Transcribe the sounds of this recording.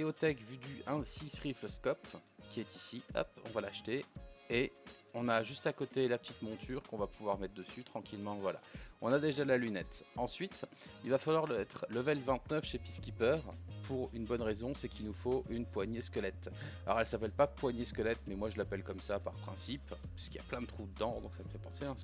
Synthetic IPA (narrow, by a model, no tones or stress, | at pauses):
eot̪ɛkvyd̪yʔɛ̃sisχifləskɔpkʲiɛt̪isiɔ̰pɔ̰̃valaʃt̪ee | ɔ̃naʒyst̪akot̪elapət̪it̪mɔ̃t̪ʰyʁkɔ̃vapuvwaʁmɛt̪χd̪əsyt̪χɑ̃kʲilmɑ̃vwala̰ɔ̃nad̪eʒalalynɛt̪ɑ̃sɥit̪ilvafalwaʁlɛt̪χləvɛlvɛ̃t̪nœfʃepiskʲipœʁpuʁynbɔnʁezɔ̃sɛkʲilnufoʔynpwaɲeskɔlɛt̪lɔ̰ʁɛlsapɛlpapwaɲjeskəlɛt̪mɛmwaʒəlapɛlkɔmsapaʁpχɛ̃sippi̥skilja̰plɛ̃d̪ət̪χud̪əd̪ɑ̃d̪ɔ̰̃ksaməfɛpɑ̃seɛ̃